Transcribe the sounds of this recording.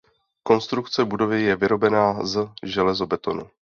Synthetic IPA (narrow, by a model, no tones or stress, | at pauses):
ko̞nst̪ɾukt͡sɛbudo̞vɪjɛvɪɾo̞bɛnaːzʒɛlɛzo̞bɛt̪o̞nṵ